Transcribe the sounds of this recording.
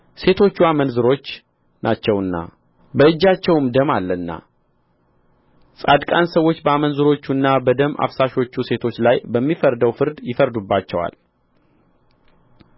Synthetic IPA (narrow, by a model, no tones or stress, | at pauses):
se̞t̪ʰo̞t͡ʃːuamənzɨɾo̞t͡ʃː | nʔat͡ʃːɛwɨnːa̰ | bəɨd͡ʒːat͡ʃːɛwmd̪əmalːənːa̰ | sʼad̪kʼansəwːo̞t͡ʃːbəamənzɨɾo̞t͡ʃːunːabəd̪əmʔa̰fsaʃo̞t͡ʃːuse̞t̪ʰo̞t͡ʃːlajbəmːifəɾd̪əwfɨɾd̪jɪfəɾd̪ubːat͡ʃːɛwa̰l